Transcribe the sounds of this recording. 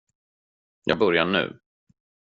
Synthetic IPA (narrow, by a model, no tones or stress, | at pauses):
jʔɑːɡ̚bœɾjaɳʉ̟̰ː